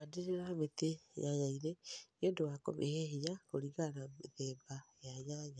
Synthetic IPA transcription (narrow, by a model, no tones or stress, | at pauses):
adeɾeɾamet̪ejaɲaiɾeodowakɔ̰mʔeheɦijakoɾiɣanaeðɛːbajajaɲa